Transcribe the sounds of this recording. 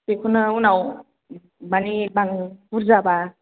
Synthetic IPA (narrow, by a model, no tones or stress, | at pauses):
pekʰunɯunaw | banibaŋbuɾzaba